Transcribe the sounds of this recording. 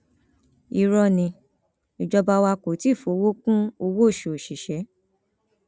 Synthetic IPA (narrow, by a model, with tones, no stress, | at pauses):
i˧ɾɔ˧nĩ˧ | i˨d͡ʒɔ˧ba˧wa˧ko˨˦ti˨˦˨fo˨˦wo˦kũ˦o˧wo˦˨ʃo˨o˨ʃi˨ʃɛ˨˦